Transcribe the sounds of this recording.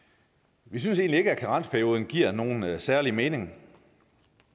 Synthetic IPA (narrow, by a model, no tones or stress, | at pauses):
ʋis̬yns̬e̝̰ːnlie̝ɡ̥əækʰæʁɑ̈n̰spʰæɐjo̝ːð̞ˠn̩ɡ̥iɐ̰no̝ːn̩sæɐlime̝ːne̝ŋ